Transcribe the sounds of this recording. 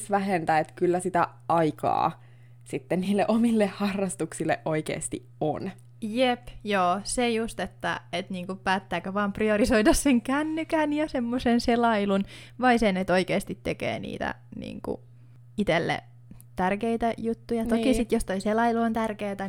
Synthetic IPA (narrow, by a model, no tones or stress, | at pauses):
sʋæɦent̪æet̪kylːæsit̪æ | ʔɑikɑ̰ː | sit̪ːenniːlːeʔomilːehhɑrːɑst̪uksilːeʔʔoikḛːst̪iʔo̰n | jepjoːsejust̪et̪ːæ̰et̪niːŋkupæːt̪ːæːkøʋɑːmpriorisoidɑsseŋkænːykænjɑsemːosenselɑilunʋɑisenet̪oikeːst̪it̪tekḛːnḭːt̪æ̰ | nḭːŋkṵ | it̪elːḛ | t̪ærkeit̪æjut̪ːujɑtnt̪okisit̪jost̪oiselɑiluont̪ærkeːt̪æ